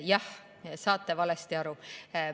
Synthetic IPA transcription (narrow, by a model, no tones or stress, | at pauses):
jɑh | sɑːt̪ːˑevɑlest̪iɑɾu